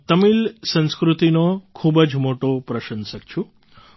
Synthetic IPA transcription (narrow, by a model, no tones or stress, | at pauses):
t̪əmilsə̃nskɾut̪inokʰubəd͡ʒmoʈopɾəʃənsəkt͡ʃʰũ